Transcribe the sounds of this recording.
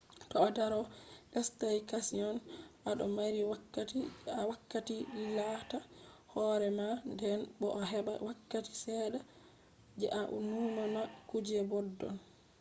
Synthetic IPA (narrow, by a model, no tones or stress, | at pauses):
tɔːdaɾɔɡastajkasiɔnʔaɗɔ̰maɾiwaaiawakːatiɗilatahɔɾɛmandɛnbɔʔaɦɛɓawakːati̥sɛːɗa | d͡ʒɛ̰ʔaʔṵnumamakud͡ʒɛbɔdːɔ̰n